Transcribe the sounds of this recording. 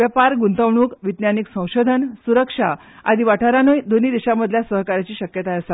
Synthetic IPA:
ʋəpaɾɡunt̪əʋɳuːkʋid̪njaniksə̃w̃ɕod̪ʱənsuɾəkʂa | a̰d̪ʱiʋaʈʰaɾanujd̪oniːd̪iɕaməd̪ʱljasəɦkaɾat͡ɕiːɕəkjət̪aəsa

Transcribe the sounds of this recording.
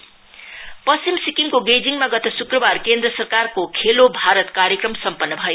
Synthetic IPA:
pʌsimsikiŋkoɡed͡ziŋmaɡʌt̪ʌsukrʌbarkend̪rʌsʌrkarkokʰelobʱaɾʌt̪kaɾjʌkrʌmsʌmpʌnːʌbʱʌjo

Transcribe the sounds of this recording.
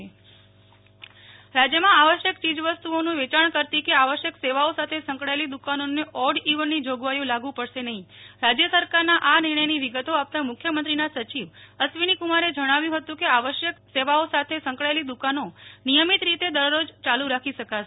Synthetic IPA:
ɾad͡ʒjəmãaʋəʃjəkt͡ʃid͡ʒʋəst̪uonũʋet͡ʃaɳ̃kəɾt̪ikeaʋəʃjəkseʋaosat̪ʰesə̃ŋkɽaelid̪ukanoneʔɔɽiʋənːid͡ʒoɡʋajũlaɡʋũpəɽʃenəɦĩɾad͡ʒjəsəɾkaɾnaʔaniɾɳəjniʋiɡət̪oap̚t̪amʊkʰjəmənt̪ɾinasət͡ʃiʋəsʋinikumaɾed͡ʒəɽ̃aʋjũɦət̪ũkeaʋəʃjəkseʋaosat̪ʰesə̃ŋkɽaelid̪ukanonijəmit̪ɾit̪ed̪əɾːod͡ʒt͡ʃaluɾakʰiʃəka

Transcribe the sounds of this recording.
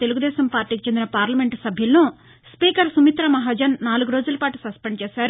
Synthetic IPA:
t̪e̞luɡud̪ɛːsɐmpaːɾʈːiːkit͡ʃe̞nd̪inɐpaːɾlɐme̞ɳʈsɐbʱjɐlːoː | spiːkɐɾsumit̪ɾɐmɐɦaːd͡ʒɐnːaːluɡuɾoːd͡ʒulɐpaːʈusɐspeɳɖt͡ʃɛːsaːɾ

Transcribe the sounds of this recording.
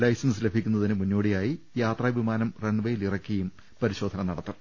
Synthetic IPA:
lɐjsɐnsɨle̞bʱikʲːunːɐðinɨmunːo̞ːɽijaːji | jaːt̪rɐːʋimaːnɐmreɳɖʋɐjilirɐkʲːiɐjum | pɐɾiɕo̞ːd̪ʱɐnɐnɐɽɐt̪ːɐr

